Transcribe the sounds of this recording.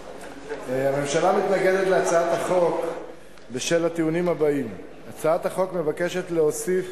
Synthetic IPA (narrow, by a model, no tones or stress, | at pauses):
hame̞mʃalamit̪naɡe̞d̪et̪leat͡saat̪haχo̞k | beʃelat̪iunimhabaim | at͡saat̪haχo̞kme̞vake̞ʃe̞t̪leo̞sif